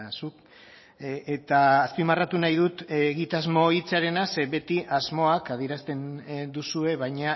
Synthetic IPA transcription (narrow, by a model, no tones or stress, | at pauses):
suk | et̪aːspimarat̪unajð̞ut̪ːɣit̪azmo̞it͡saɾe̞naseβe̞t̪iʔazmo̞akað̞iɾast̪e̞nd̪usue̞βajɲa